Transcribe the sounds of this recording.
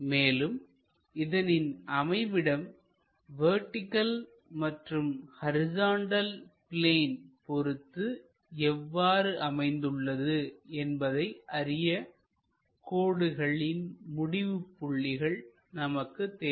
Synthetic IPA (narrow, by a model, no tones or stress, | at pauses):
meːlɯm | ɪðɐnɪnɐmɐɪʋɪɽɐm | ʋeːʈːɪkːɐl | mɐʈrɯmhɐɾɪzaːɳɖɐlpɪleːnpɔɾɯt̪ːɯ | ɛʋːaːɾɯʔɐmɐɪnd̪ɯɭːɐðɯɛnbɐðɐɪʔɐɾɪjɐ | koːɽɯɣɐɭɪnmʊɽɪʋɯpːʊɭːɪɣɐɭ | nɐmɐkːɯt̪ːeː